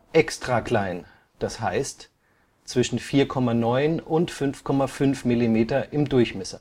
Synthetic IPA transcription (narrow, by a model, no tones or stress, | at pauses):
ʔɛkstʁ̥akl̥aɪn | d̥ashaɪst | t͡sv̥ɪʃn̩fiːɐkʰɔmanɔʏnʔʊntfʏnfkʰɔmafʏnfmilimeːtɐʔɪmdʊɐçmɛsɐ